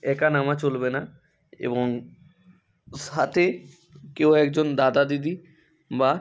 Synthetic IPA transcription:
ɛkanamat͡ɕolbena | ḛboŋ | ʃat̪ʰe | kewɛkd͡ʑond̪ad̪ad̪id̪i | ba

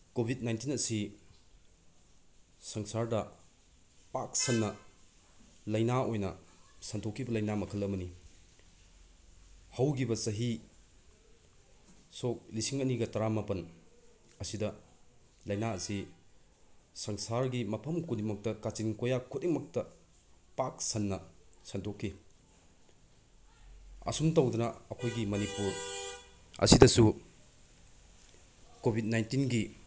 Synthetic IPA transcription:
kobʱit̚najntinɐsi | sɐŋsaɾdɐ | pak̚sɐnːɐ | lɐjnaʔojnɐsɐntʰokʰːibɐlɐjnamɐkʰɐlɐmɐni | hɐwɡibɐsɐɦi | sok̚lisiŋɐniɡɐtɐɾamapɐn | ɐsidɐ | lɐjnaɐsi | sɐŋsaɾɡimɐpʰɐmkʰudiŋmɐk̚tɐkat͡ʃinkojakʰut̚imɐk̚tɐ | pak̚sɐnːɐsɐntʰokʰːi | ɐ̰sumtɐwdɐnɐɐkʰojɡimɐnipuɾ | ɐ̰sidɐsu | kobʱit̚najntinɡi

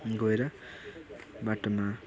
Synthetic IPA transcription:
ɡoeɾʌ | baʈoma

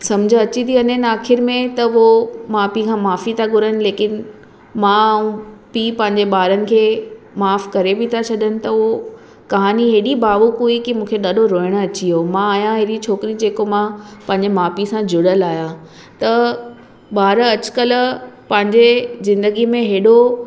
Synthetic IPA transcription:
sɐmd͡ʑʱə̃ɐt͡ɕit̪ʰiɐnɦənɪaːxʰɪɾmẽt̪ɐomãːpikʰãːmaːfit̪ʰaɡʊɾənɪ̆leːkɪn | mãũpiːpɐ̃ɦɪ̃ɲd͡ʑeɓaːɾənɪ̆kʰeː | maːfkɐɾebɪt̪ʰat͡ɕʰɐɗənɪ̆t̪ɐo | kɐɦaːniɦeːɗibaːʋukɦuikimũːkʰeɗaːɗʱoɾoːɪɽ̃̆ɐt͡ɕiomãaːjãɦeɗit͡ɕʰoːkɪɾid͡ʑeːkomãpɐ̃ɦɪɲd͡ʑemaːpisãd͡ʑʊɽəlaːja | t̪ɐ | ɓaːɾɐt͡ɕkəlpɐ̃ɦɪ̃ɲd͡ʑezɪ̃nd̪əɡimẽɦeːɗo

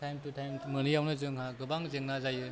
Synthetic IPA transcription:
tajmtutʰajmmɯnijawnɯzɯŋɦaɡɯbaŋzeŋnazajɯ

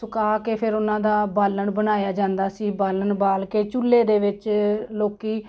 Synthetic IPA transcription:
sʊkaːkepʰɪɾʊnãːd̪aːbaːləɳbənaːjaːd͡ʒãːnd̪aːsiːbaːləɳbaːlkeːt͡ʃulːeːd̪eːʋɪt͡ʃloːkiː

